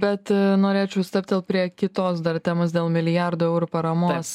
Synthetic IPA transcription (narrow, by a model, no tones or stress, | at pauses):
bʲɛt̪noːɾʲeːt͡ʃʲɛʊsʲt̪ɛp̚t̪̚d̪ʲeːlˠpʲɾʲiɛkʲɪt̪oːsd̪ɐɾt̪ʲæːmoːs̬d̪ʲeːlˠmʲɪlʲɪjæɾd̪ʊːɛʊɾupɐɾɐmoːs